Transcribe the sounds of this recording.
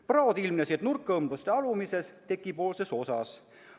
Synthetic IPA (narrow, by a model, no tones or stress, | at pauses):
prɑod̪ilmnesiet̪nurkːˑɤmblust̪eɑlumise̞st̪e̞kːˑipo̞ːlse̞so̞sɑ̰s